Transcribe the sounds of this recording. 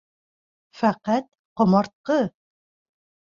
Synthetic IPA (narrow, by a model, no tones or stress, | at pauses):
fæqæt̪ | qŏmɑɾt̪̚qɤ